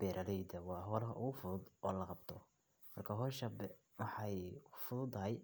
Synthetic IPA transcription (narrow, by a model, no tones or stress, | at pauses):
b̥ɛːɾʔɐlɛjd̪ɐwɑːɦɔːlɐɦɐʔʊɣʊfʊðʊd̪ɔːlɐqɑbt̪ʰɔ | mɐrkʰaːɦɔːʃɐbɛ | wɑħɑjʰʊ̥fʊðʊd̪t̪ʰɐɦɛj